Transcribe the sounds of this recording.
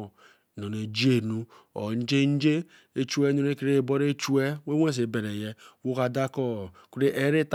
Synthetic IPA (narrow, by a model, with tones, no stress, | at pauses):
nɔ˨ne˨d͡ʒi˦e˨nu˦ | o̰˨n̩˦d͡ʒe˦n̩˦d͡ʒe˦ | e˦t͡ʃu˦e˦nu˦ɾe˦ke˨ɾe˦˨bɔ˦ɾe˦t͡ʃu˦ɛ˦we˦wʷe˦s̬e˨be˨ɾe˨jɛ˦wu˦ka˨da˦kɔ˦ | ku˦ɾe˦ʔe˦ɾe˦t